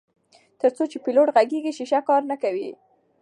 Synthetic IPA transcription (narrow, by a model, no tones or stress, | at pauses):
t̪əɾt͡sot͡ʃepɪloʈɣaɡeɡiʃiʃakɑɾnakawḭ